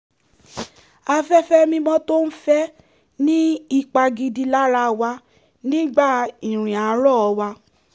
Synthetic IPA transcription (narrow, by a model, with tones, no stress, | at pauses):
a˧fɛ˦fɛ˦mĩ˧mɔ̃˦to˦n̩˦fɛ˦ | nĩ˦i˦˧k͡pa˧ɡi˧di˧la˦ɾa˧wa˧ | nĩ˦ɡ͡ba˦˨ĩ˨ɾ̃ĩ˨a˨˦ɾɔ˦˨ɔ˧wa˧